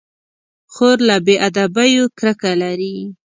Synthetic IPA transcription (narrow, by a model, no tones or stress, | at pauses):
xoɾlabeʔad̪abajokɾəkalaɾi